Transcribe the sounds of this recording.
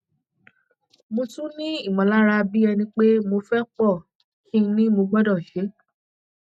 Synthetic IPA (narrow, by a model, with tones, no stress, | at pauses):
mo˧tũ˦nĩ˦i˦˨mɔ̃˨la˦ɾa˧bi˦ɛ˧nĩ˧˦k͡pe˦mo˧fɛ˦k͡pɔ˦˨ | kĩ˦nĩ˦mo˧ɡ͡bɔ˦dɔ˦˨ʃe˨˦